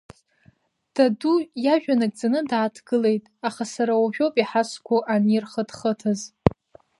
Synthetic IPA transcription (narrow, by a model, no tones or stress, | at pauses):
d̥adujaʒᶣanakʼd͡zanɨdaaːtʰɡ̥ɨle̞jtʼaχasaɾawuʒᶣopʼiħaskʷʰʊʔanirχədχətʰaz